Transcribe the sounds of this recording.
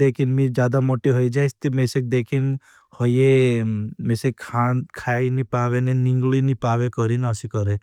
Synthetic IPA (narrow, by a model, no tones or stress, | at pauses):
eːkʰinmid͡ʒjaːd̪amoʈiɦojd͡ʒajst̪imesek̚d̪ekʰin | hɔje | mesekʰankʰainipaʋenenĩŋɡɭinipaːʋekɔɾinəsikɔɾe